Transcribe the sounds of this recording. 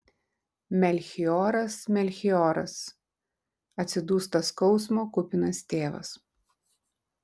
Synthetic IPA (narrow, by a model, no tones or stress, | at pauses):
mʲɛlʲxʲɪɔːɾɐsmʲɛlʲxʲɪɔːɾɐ̰s | ɐt̪ʲsʲɪd̪uːst̪ɐskɒʊsmoːkʊpʲɪnɐst̪ʲeːʋɐ̰s